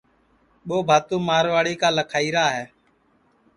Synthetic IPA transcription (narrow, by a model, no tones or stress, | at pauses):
ɓoːbʱaːt̪ũːmaːɾʋaːɽiːkaːləkʰaːiːɾaːɦɛː